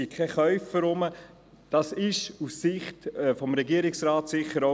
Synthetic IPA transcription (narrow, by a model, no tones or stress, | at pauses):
ikʰɛχœʏfəɾʊmə | d̥ɑsɪʃussɪχtːfɔmɾɛɡiəɾɪksɾɑːtsɪχəɾo